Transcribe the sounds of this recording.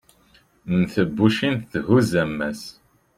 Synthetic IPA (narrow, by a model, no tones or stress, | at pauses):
nθəbːuʃinθθhuzæmːæs